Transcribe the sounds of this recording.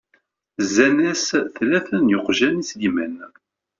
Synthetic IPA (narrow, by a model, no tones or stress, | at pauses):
zːænæsθlæθənjoqʒænislimæn